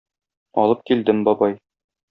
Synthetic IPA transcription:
ɒ̰lˠɤp̚kild̪ɘmbɒbɑj

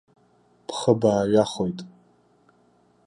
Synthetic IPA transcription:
pʰχəbaːɥaχojtʼ

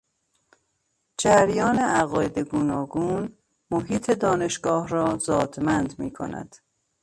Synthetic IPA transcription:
d͡ʒæɾjɒːneʔæɣɒːjed̪eɡuːnɒːɡuːn | moɦiːt̪ʰe̞d̪ɒːne̞ʃɡ̥ɒːhɾɒːzɒːd̪mænd̪mḭːkʰo̰næ̰d̪̥

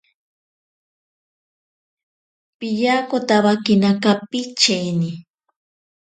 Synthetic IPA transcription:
piʎakot̪aβakɪnakapit͡ʃejnɪ

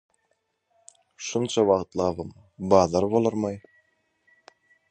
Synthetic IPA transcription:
ʃunt͡ʃʰɑwɑʁt̪lˠɑːβɯm | bɑːðɑɾbolˠɑɾmɑj

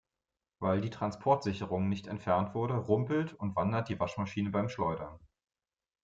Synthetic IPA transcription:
vaɪldiːtʁ̥anspʰɔɐtz̥ɪçəʁʊŋnɪçtɛntfɛɐntv̥ʊɐɾəʁʊmpl̩tʰʊntv̥andɐt̚d̥iːvaʃmaʃiːnəbaɪmʃlɔʏdɐn

